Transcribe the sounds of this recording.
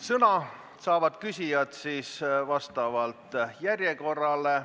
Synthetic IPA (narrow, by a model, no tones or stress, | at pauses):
sɤnɑ | sɑːvɑd̪̥kysʲijɑt̪siːsvɑst̪ɑvɑlt̪ˑjærjeko̞rːɑle̞